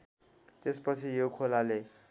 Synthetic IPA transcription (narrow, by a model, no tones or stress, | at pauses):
t̪espʌt͡sʰijokʰolale